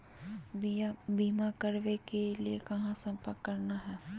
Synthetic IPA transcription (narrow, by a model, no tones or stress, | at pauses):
biːmakɐɾʋekeliekɐɦãsɐ̃mpəɾkːɐɾnaɦɛː